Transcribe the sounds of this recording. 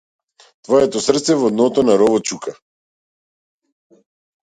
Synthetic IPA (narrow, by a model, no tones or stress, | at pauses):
t̪vɔjɛt̪ɔsr̩t̪sɛvɔd̪nɔt̪ɔnaɾɔvɔt͡ʃuka